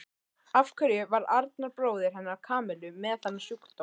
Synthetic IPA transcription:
afkʰœɾjʏvaɾaɾt̪̚naɾpɾoːwðɪɾ̥ɦɛnːaɾakʰaːmɛlʏmɛðθanːasjukt̪o

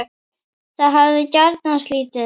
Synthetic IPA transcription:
θaðɦavðʏcaɾt̪nanst̪liːt̪ɪ

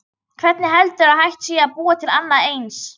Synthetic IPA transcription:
kʰv̥ɛt̪nɪɦɛlt̪ʏɾaðhajht̪siːaðpuːat̪ʰɪlanːaejns

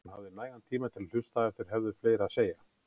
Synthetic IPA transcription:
nhavðɪnaːjɣant̪ʰiːmat̪ʰɪll̥ʏst̪aɛft̪ɪɾ̥ɦɛvðɪ̥fleːjɾaðseːja

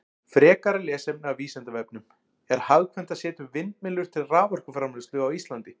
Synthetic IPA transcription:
fɾɛːkaɾalɛːsɛpnɪawviːsɛnt̪avɛpnʏm | ɛɾ̥haðkʰvɛn̥t̪ḁsɛːt̪ʏvɪnt̪mɪlːʏɾ̥t̪ʰɪlraːvœr̥kʏfɾaːmɛst̪ʏɣawist̪lant̪ɪ

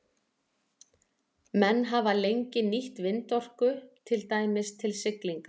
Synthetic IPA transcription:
mɛnːɦavalejɲcɪniht̪vɪnt̪ɔr̥kʏt̪ʰɪlt̪aːjmɪst̪ʰɪlsɪkliŋka

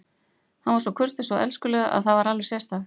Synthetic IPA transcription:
hanvaɾsɔkʰʏr̥t̪ɪsɔʔɛ̰lskʏlɛːɣaʔa̰ðθavaɾalvɪɾ̥sjɛst̪a

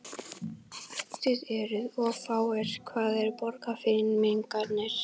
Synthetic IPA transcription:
θɪðɛɾʏðɔfaːwɛɾ̥kʰvaːðɛɾpɔɾkafɪnmeŋkaɾnɛɾ̥

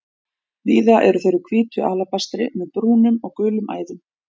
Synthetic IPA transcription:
viːðaʔɛɾʏθejɾʏkʰviːt̪ʏʔaːlapast̪ɾɪmɛðpɾuːnʏmɔɣkʏːlʏmʔa̰ːjðʏm

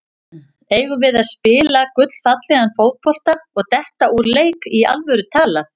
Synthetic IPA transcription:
eːjvʏvɪðaðspɪːlakʏt̪l̥θat̪lɛɣanfoːwt̪̚pʰɔl̥t̪aɔɣt̪ɛht̪aʔuɾleːjkia̰lvœɾʏt̪ʰaːlaθ

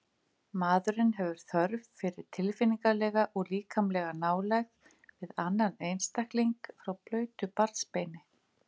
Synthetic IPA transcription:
maːðʏɾɪnɦɛvʏɾ̥θœɾvfɪɾɪɾ̥t̪ʰɪlfɪniŋkalɛːɣaʔɔɣliːkʰamlɛɣanaːwlɛɣ | vɪðanːanejnst̪ahkliŋkfɾawplœːɥt̪ʏpaɾt̪spejnɪ

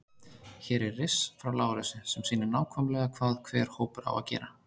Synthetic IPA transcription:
çɛːɾɛrːɪsfɾawlaːwlɛsʏsɛmsiːnɪnaːwkʰvɔmlɛɣakʰvaːðkʰvɛːɾ̥hoːwpʏɾa̰wa̰ðcɛ̰ːɾa

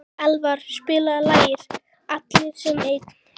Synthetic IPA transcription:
ɛlvaɾ̥spɪːlalaːjɪɾ̥ | at̪lɪsɛmeːjt̪

